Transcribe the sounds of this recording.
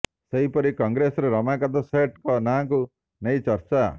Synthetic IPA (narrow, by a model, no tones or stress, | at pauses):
seɦipɔɾikɔŋɡɾesɔɾeɾɔmakat̪ɔseʈkɔnaŋku | nejt͡ʃɔɾt͡ʃa